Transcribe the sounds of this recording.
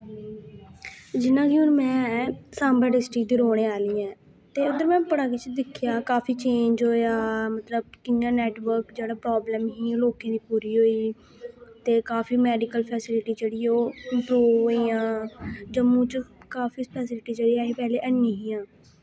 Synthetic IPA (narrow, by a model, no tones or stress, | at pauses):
d͡ʒɪnãːkɪoːɾmɛ̃ːsaːmbəːɖɪsʈɾɪk̚d̪iːɾoːɽ̃ẽːaːliːɛ̃ː | t̪eːʊd̪əɾmɛ̃ːpəɽaːkɪt͡ʃd̪ɪkʰːɪjaːkaːfiːt͡ʃẽːɲd͡ʒɦoːjaːmət̪ləb̚kɪjãːnɛːʈʋəɾkd͡ʒeːɽaːpɾaːbləːmɦiːloːkẽːd̪iːpuːɾiːɦoːiː | t̪eːkaːfiːmɛːɖɪkəlpʰɛːsɪlɪʈiːd͡ʒeːɽiːoːɪmpɾuːʋɦoːiːãːd͡ʒəmũːt͡ʃkaːfiːspɛːsɪlɪʈiːd͡ʒeːɽiːaːiːpɛːleːʔənːĩːɦiːãː